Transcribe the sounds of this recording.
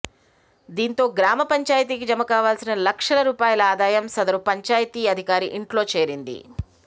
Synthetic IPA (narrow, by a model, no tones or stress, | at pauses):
d̪iːnt̪o̞ːɡɾaːmɐpɐɲt͡ʃaːjt̪̬iːk̬id͡ʒɐmɐkaːʋaːlsinɐlɐkʂɐlɐɾuːpaːjɐlɐaːd̪aːjɐmsɐd̪ɐɾupɐɲt͡ʃaːjɐt̪iːɐd̪ʱikaːɾiʔiɳʈlo̞ːt͡ʃe̞ːɾind̪ḭ